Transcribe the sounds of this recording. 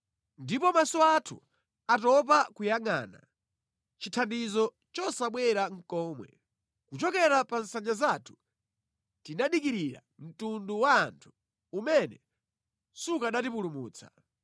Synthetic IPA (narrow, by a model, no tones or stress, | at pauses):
ndipɔmasɔatʰu | atɔp̬akujaŋa̰ːna̰ | t͡ʃitʰandizɔ | t͡ʃɔsaɓwɛɾaŋ̩kɔːmwɛ̰ | kut͡ʃɔkɛɾapan̩saɲd͡ʒazaːtʰu̥ | tinaɗikiɾiɾa̰ | m̩tunduwaːntʰu̥ | umɛnɛ | sukaɗat̬ipulumuːt͡sʰḁ